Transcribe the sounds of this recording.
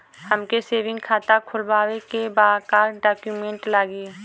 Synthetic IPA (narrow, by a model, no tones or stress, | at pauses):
həmkeseːʋɪ̃ŋɡkʰaːt̪akʰʊlbaːwekebaːkaːɾɖaːkjuːmẽːɳʈlaːɡiː